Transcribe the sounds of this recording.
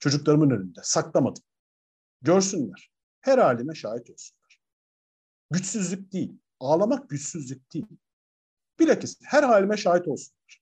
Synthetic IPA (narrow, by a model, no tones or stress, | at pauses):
t͡ʃʰo̞d͡ʒuklˠaɾɯmɯnønynd̪ɛsaklˠamad̪ɯm | ɟø̞ɾsynlʲæɾ̥ | hæɾhaːlʲimɛʃaːɦit̪ʰo̞lˠsunlˠaɾ̥ | ɟyt͡ʃsyzlʲyc̚d̪ijilʲ | aːlˠamak̚ɟyt͡ʃsyzlʲyc̚d̪̥iːlʲ | b̥iɾʲacishæɾhaːlʲimɛʃaːɦit̪o̞lˠsunlˠaɾ̥